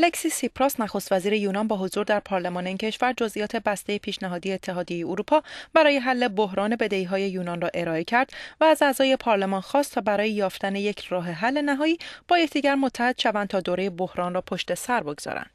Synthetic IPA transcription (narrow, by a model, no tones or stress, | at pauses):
lecsiːsipʰɾosnæxo̞st̪væziːɾe̞juːnɒːnbɒːɦo̞zuːɾd̪æɾpʰɒːɾle̞mɒːne̞iːncʰe̞ʃvæɾd͡ʒo̞zʔijɒːt̪ʰe̞bæst̪ejepʰiːʃnæɦɒːd̪ijeːt̪ʰːeɦɒːd̪ije̞jeoɾuːpʰɒːb̥æɾɒːje̞ɦælːe̞bo̞ɦɾɒːne̞be̞d̪eiːɦɒːje̞juːnɒnrɒːʔe̞ɾɒːe̞cʰæɾd̪̥væːzæːzɒːje̞pʰɒːɾle̞mɒːnxɒːst̪ʰɒːbæɾɒːjejɒːft̪æne̞je̞cʰrɒːɦe̞ɦælːe̞næɦɒːiːb̥ɒːjecʰd̪iːɟæɾmot̪ʰːæhe̞d̪̥ʃævænd̪t̪ʰɒːd̪oːɾe̞jebohɾɒːnrɒːpʰo̞ʃt̪e̞sæɾboɡz̥ɒ̰ːɾæ̰nd̥̪